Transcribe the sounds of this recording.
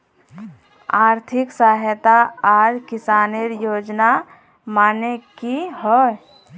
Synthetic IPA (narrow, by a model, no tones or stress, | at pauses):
aːɾt̪ʰɪksaːɦət̪aaːɾkɪsaːneɾjoːd͡ʒna | maːnekiɦɔ